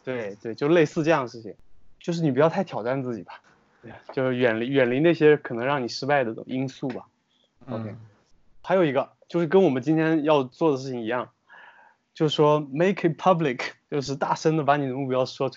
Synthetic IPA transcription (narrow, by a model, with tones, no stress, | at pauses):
t̪we˥˩ɪt̪we˥˧ɪt͡ɕjʊʂle˥˧ɪsɹ̩˥˧ʈ͡ʂɤ˥˧jɑ˥ŋd̪ə˩ʂɻ̩˥˩t͡ɕʰi˨˩ŋt͡ɕjo˥˧ʊʂ̬ɻ̩˥˩i˨˩p̬jɑ˥˧ʊt̪ʰt̪ʰjɑ˨˩ʊa˥˧nt͡sɹ̩˥˩t͡ɕi˨˩bɐ̥˦˥˧ | t͡ɕjo˥˧ʊʂɻ̩˥˩ɥɛ˨˩nli˧˥ɥɛ˨˩nli˧˥na˥˩ɕjɛ˥kʰɤ˨˩nɤ˧˥ŋɻɑ˥˩ŋni˨˩ʂɻ̩˥pa˥˩ɪd̪ə˩ʈ͡ʂʊ̰˨˩ŋ˧i˥nsu˥˩bɐ˩ | o˧ʊkʰe˥ɪ | xa˧˥jo˨˩i˧˥ɡə˧t͡ɕjo˥˧ʊʂɻ̩˥˩kə˥nwɔ˨˩mə˦t͡ɕi˥nt̪ʰjɛ˥njɑ˥˧ʊt͡swɔ˥˩d̪ə˩ʂɻ̩˥˩t͡ɕʰi˨˩ŋi˧˥jɑ˥˩ŋ | t͡ɕjo˥˧ʊʂ̩˥˩ʂwɔ˥me˥ɪkʰi˧˥pʰɐ˥bli˨˩kʰt͡ɕjo˥˧ʊʂ̬ɻ̩˥˧t̪a˥˩ʂə˥nd̪ə˨pa˧˥ni˨˩ə˦mu˥˧pjɑ˥ʊʂwɔ˥